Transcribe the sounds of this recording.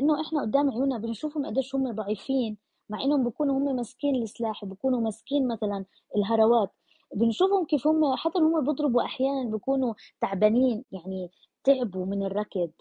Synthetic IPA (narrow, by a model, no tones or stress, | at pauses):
ʔɪnːoʔɪħnaʔʊd̪ːaːmʕjuːnabɪnʃuːfhʊmʔa̰d̪ːeːʃhʊmːed̪ˤɑʕiːfiːn | maʕʔɪnːhʊmbjkuːnuhʊmːemɪskiːnlʔɪslaːħwbikuːnumɪskiːnmaθalan | ɪlɦɑɾˤɑwaːt̪ | bɪnʃuːfhʊmkiːfhʊmːeħat̪ːanhʊmːebɨd̪ˤɾɨbuʔaħjaːnanbɪkuːnut̪aʕbaniːnjaʕni | t̪ɪʕbumɪnɪrˤːɑkɪd̪